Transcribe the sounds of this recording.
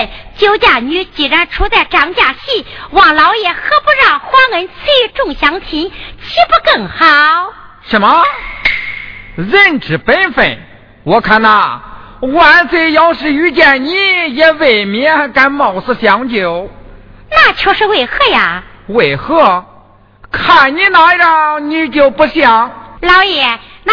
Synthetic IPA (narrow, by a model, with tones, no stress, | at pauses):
t͡ɕjo˧˥ʊt͡ɕja˥˩ɲy˧˥t͡ɕi˨˩ɻa˧˥nʈ͡ʂʰu˧˥t͡sa˥˩ɪʈ͡ʂɑ˧˥ŋt͡ɕja˥˩ɕi˥˩wɑ˨˩ŋlɑ˧˥ʊjɛ˨˩xɤ˥pu˥˧ɻɑ˥˩ŋxwa˥ŋə˧˥nt͡sʰe˥˧˥ʈ͡ʂʊ˥˩ŋɕjɑ˧˥ŋt͡ɕʰi˧˥ŋt͡ɕʰi˥pu˥˧kɤ˥˩ŋxɑ˨˧˩ʊ | ʂə˧˥mə˧ | ɻə˥˩nʈ͡ʂɻ̩˨˩pə˥nfe˨˩n | wɔ˧˩kʰa˥˩na˧˩ | wa˧˥nt͡swe˧˩ɪjɑ˧˥ʊʂɻ̩˧˩y˧˥t͡ɕjɛ˥˩nni˧˥jɛ˧˥we˨˩ɪmjɛ˧˥ka˧˥nmɑ˨˩ʊs̩˥˧ɕjɑ˧˥ŋt͡ɕjo˨˧˩ʊ | na˥˩t͡ɕʰjo˧˥ʊʂɻ̩˥˧we˨˩ɪxɤ˥˩ja˨˩we˨˩ɪxɤ˥˩ | kʰa˥˩nni˧˥na˧˥ɻni˧˥t͡ɕjo˨˩ʊpu˧˥ɕjɑ˧˩˦ŋlɑ˧˥ʊjɛ˨˧˩ | n˧